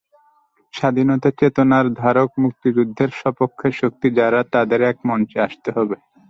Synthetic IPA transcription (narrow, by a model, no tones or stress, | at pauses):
ʃad̪ʱinot̪at͡ɕet̪onaɾd̪ʱaɾokmuk̚t̪id͡ʑud̪ʱːeɾʃɔpokʰːeʃok̚t̪id͡ʑaɾat̪ad̪eɾɛk̚mɔnt͡ʃeaʃt̪eɦɔbe